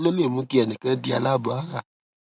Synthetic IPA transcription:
lo˦ne˦˨mũ˦ki˦ɛ˨nĩ˨kɛ˦di˦a̰˧la˦˨ba˨a˦ɣa˦˨

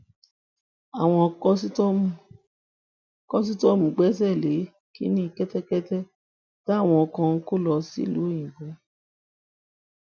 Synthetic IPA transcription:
a˨w̃ɔ̃˧kɔ˦si˦ | kɔ˦s̬i˦tɔ˦mũ˨˦ɡ͡bɛ˦s̬ɛ˦˨le˨˦ | kḭ˦nĩ˦i˦˧˨kɛ˦tɛ˦kɛ˦tɛ˦ | d̥a˦˨w̃ɔ̃˧ɔ˧kã˧˦ko˦lɔ˧sḭ˦˨lu˨˦j̃ĩ˨ɡũ˨˦

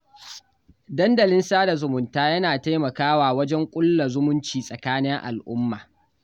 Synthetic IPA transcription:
dɐ˦ndɐ˨lɪ˦nsaː˦da˨zʊ˨mʊ˨ntaː˦jɐ˦naː˨ta˦jmɐ˨kaː˦waː˨wɐ˦d͡ʒɛ˦ŋkʷʼʊ˦lːa˨zʊ˦mʊ˦nt͡ʃiː˨sʼɐ˨kaː˦nɪ˦ŋʔa̰˨lʔʊ˦mːaː˨

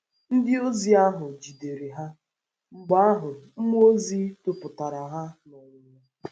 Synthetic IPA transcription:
n̩˦dɪ˦o˦zi˨a˦ɦʊ˨d͡ʒi˨de˨ɾi˨ɦa˦ | ŋ͡m̩˨ɡ͡ba˦ɦʊ˨m̩˦mu˦o˦zi˦tʊ˨pʊ˨ta˨ɾa˨ɦa˦na˨ɲɪ˨ɲa˨˦

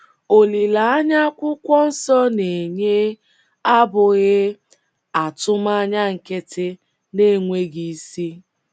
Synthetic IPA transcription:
o˨li˨la˨a˦ɲa˦kʷʊ˦kʷɔ˦n̩˦sɔ˦ne˨ɲe˦ | a˦bʊ˨ɣɪ˦ | a˨tʊ˦ma˦ɲa˦ŋ̩˨kɪ˦tɪ˦ | ne˦˨ŋʷe˦ɡi˨˦si˦

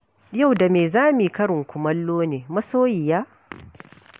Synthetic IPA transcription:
ja˦˨wda˨meː˨zaː˦mi˨kɐ˦ɽɪ˨ŋkʷʊ˨mɐ˦lːoː˦neː˨mɐ˦soː˦jɪ˨jaː˦

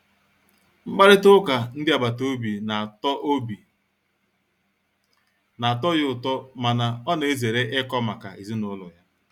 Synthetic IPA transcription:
m̩˦k͡pa˦ɾɪ˦tʊ˦ka˨n̩˦dɪ˦a˨ba˨to˦bi˨na˨tbi˨ | na˨tɔ˦jʊ˦˨tɔ˦ma˨na˨ɔ˦ne˨e˦ze˨ɾe˦ʔɪ˦kɔ˦ma˨ka̰˨i˨zi˦nʊ˦lʊ̰˨ja˦

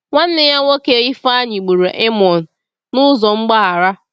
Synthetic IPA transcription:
ŋʷa˦n̩˦nɪ˦ja˦ŋo˦ke˦i˦fa˦ɲɪ˨ɡ͡bu˨ɾe˨ʔe˦mɔ˨n̩˨ | nʊ˦zɔ˨ŋ͡m̩˦ɡ͡ba˦ɦa˨ɾa˦

